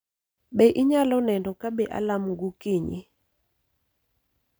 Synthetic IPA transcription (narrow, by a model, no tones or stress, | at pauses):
ɓɛʔiɲalɔnɛndɔkaɓɛʔa̰lamɡukɪɲḭ